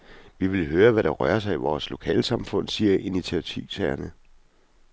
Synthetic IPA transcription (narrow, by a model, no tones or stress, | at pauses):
ʋiʋe̝lɦøːɐʋæɾ̥ɑ̈ʁɶ̰ɐs̬ɑ̈ɪiʋɒːslo̝kʰɛ̰ːlsɑ̈mfɔ̽n̰siːɐʔinit͡sʰiæt͡sʰiʊsʰæɐnə